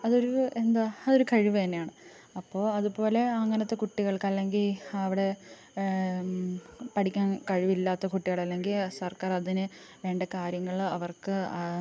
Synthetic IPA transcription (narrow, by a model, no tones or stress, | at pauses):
ɐðo̞ɾuend̪aðo̞ɾukɐɻiʋɨt̪ɐnːeaːɳɨ | ɐpːo̞ːɐðupo̞ːle̞ɐŋːɐnɐt̪ːe̞kuʈːiɣɐɭkɐlːe̞ŋɡilɐʋiɽe̞ | pɐʈikʲːaːnkɐɻiʋilːaːt̪ːɐkuʈːiɣɐɭɐlːe̞ŋɡilsɐrkaːrɐðinɨ | ʋe̞ːɳɖɐkaːɾjɐŋːɐɭɐʋɐrkɨ